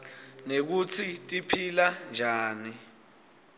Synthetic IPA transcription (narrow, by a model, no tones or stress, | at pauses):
nek̬ut͡sʰitʼipʰiland͡ʒʱaːni